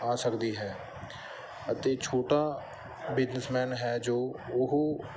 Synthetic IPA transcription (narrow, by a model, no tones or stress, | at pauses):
aːsəkd̪iɦɛː | ət̪eːt͡ʃʰoːʈa | bɪd͡ʒnəsmɛːnɦɛːd͡ʒoːʊɦ